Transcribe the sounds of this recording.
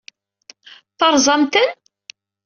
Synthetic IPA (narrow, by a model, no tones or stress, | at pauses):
θɑɾˤzˤɑmt̪ən